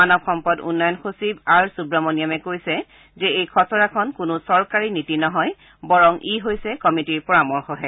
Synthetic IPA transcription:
anɔbxɔmpɔdṵnːɔjɔnxosibaɹsubɹamonijamɛkojsɛ | zɛejkʰɔsɔɹakʰɔnkʊnʊsɔɹkaɹinitinɔɦɔj | bɔɹɔŋʔiɦojsɛkɔmitiɹpɔɹamɔɹxɔɦɛ

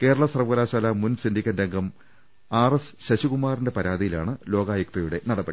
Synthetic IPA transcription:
ke̞ːɾɐɭɐsɐrɐʋɐɣɐlaːɕaːlɐmunsindikʲːɐndeŋɡɐm | aːresɕɐɕiɣumaːrinde̞pɐɾaːðijilaːɳɨlo̞ːɡaːjɐk̚t̪ɐjuɽe̞nɐɽɐbɐɽi

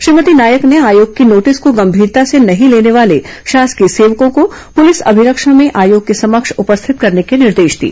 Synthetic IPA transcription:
ʃɾiːmət̪inaːjəkneaːjoːɡ̚kinoːʈɪskoɡɐ̃mbʱiːɾt̪asenɐɦĩleːneʋaːleʃaːskeseːʋkõkopʊlɪsɐ̰bʱɪɾəkʃãmẽʔaːjoːɡ̚kesɐməkʃʊpəst̪ʰɪt̪̚kɐɾnekenɪɾd̪eːʃd̪ḭː

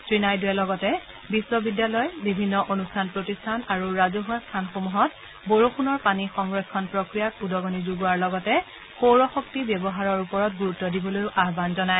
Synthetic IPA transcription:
tɹinajduɛlɔɡɔtɛ | bisːɔbidjalɔjbibʱinːɔʔonustʰanpɹotistʰanaɹuɹazoɦuastʰanxomuɦɔt | boɹoxunɔɹpanixɔŋɹɔkʰːɔnpɹɔkɹijakudɔɡɔnizuɡuaɹlɔɡɔtɛ | xowɹɔxɔk̚tibjɔbɔɦaɹɔɹupɔɹɔtɡuɹutːɔdibɔlojʊʔaɦbanzɔnaj

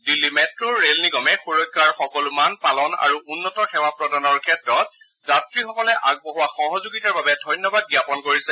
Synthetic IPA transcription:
dilːimɛtɹuɹːelniɡɔmɛxuɹɔt̚ɡʰaɹxɔkɔlumanpalɔna̰ɹuʔunːɔtɔxɛwapɹɔdanɔɹkʰɛtɹɔt | zatɹixɔkɔlɛʔaɡ̚bɔɦʊwaxɔɦɔzuɡitaɹbabɛdʱɔjnːɔbad̚ɡjapɔnkoɹisɛ

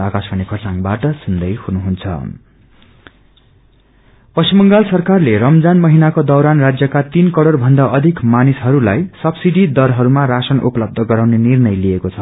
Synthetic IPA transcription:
akasbʰʱʌnekʰʌrsaŋbaʈʌsund̪ʌjhunuɦunt͡sʰʌ̰ | pʌsimʌŋɡalsʌrkarleɾʌmd͡zanmʌɦinakod̪ʌwɾanrad͡zjʌkat̪inkʌɽʌrbʱʌnd̪aʔʌd̪ʱikmanisɦʌɾulajsʌbsiɖid̪ʌɾɦʌɾumaɾasʌnupʌlʌb̚d̪ʱʌɡʌɾawnenirnʌjlijekot͡sʰʌ

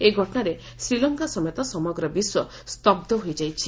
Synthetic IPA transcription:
eɡʱɔʈɔɽ̃aɾe | sɾilɔŋkasɔmet̪ɔsɔmɔɡɾɔbiswɔ | st̪ɔb̚d̪ʱɔɦojd͡ʒajt͡ʃʰi

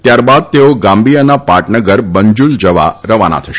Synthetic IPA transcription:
t̪jaɾbad̪̚t̪eoɡãmbijənapaʈnəɡəɾbəɲd͡ʒuld͡ʒəʋa̰ɾəʋana̰t̪ʰəʃ

